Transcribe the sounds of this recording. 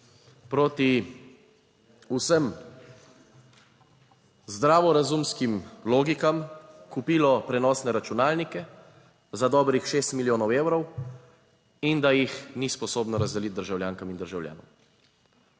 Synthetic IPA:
pɾoːt̪i | usəm | zd̪ɾaːʋɔɾazumskimloːɡikamkupiːlɔpɾɛnɔːsnɛɾat͡ʃunaːlnikɛ | zad̪ɔːbɾixʃeːst̪miljoːnɔweːwɾɔw | ind̪ajixnispɔsoːbnɔɾazd̪ɛlit̪̚d̪əɾʒawljaːŋkamind̪əɾʒawlja̰ːnɔ̰w

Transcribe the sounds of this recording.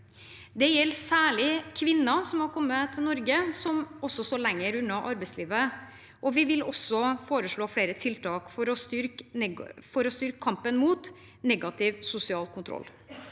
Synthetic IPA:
d̪ɛjɛlsæːɭɪkʰʋɪnːɑsɔmhɑɾkʰɔmːət̪ʰɪlnɔɾɡəsɔmɔsːɔsɔlɛŋːəɾʉnːɑʔɑɾbɛɪsliːʋə | ʔɔʋɪʋɪlɔsɔfoːɾəʂɭoːfɽeːɾət̪ʰɪlt̪ʰɑːkfɔɾɔst̪ʏɾk | fɔɾɔst̪ʏɾkəkʰɑmpənmuːt̪ | nɛɡɑt̪ɪʋsʊsɪɑːlkʰʊnt̪ʰɾɔ̰lː

